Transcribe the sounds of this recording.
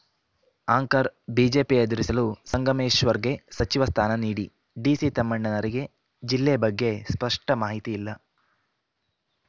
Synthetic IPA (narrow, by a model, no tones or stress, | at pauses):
aːŋkɐɾbiːd͡ʒeːpiɐd̪uɾisɐlusɐŋɡɐmeːʃʋɐɾɡe̞sɐt͡ʃiʋɐst̪ʰaːnɐniːɽi | ɖiːsit̪ɐmːɐɳːɐnɐɾiɡe̞ | d͡ʒilːeɐbɐɡːe̞spɐʂʈɐmaːɦit̪iːlːɐ